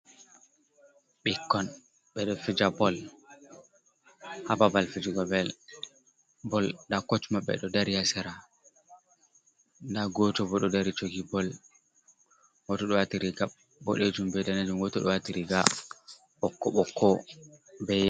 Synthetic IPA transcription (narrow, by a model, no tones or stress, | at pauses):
ɓikːɔn | ɓɛɗɔfid͡ʒabɔl | hababalfid͡ʒiɡɔbɛl | bɔldakot͡ʃmaɓɛ̰ɗɔdaɾijasɛɾa | ndaɡɔtɔbɔɗɔdaɾit͡ʃoɡibɔl | ɡɔtɔɗɔwatiɾiɡa | bɔ̰ɗed͡ʒumbɛɗanad͡ʒumɡɔtɔɗɔwatiɾiɡa | ɓɔkːɔɓɔkʰːɔ | bɛ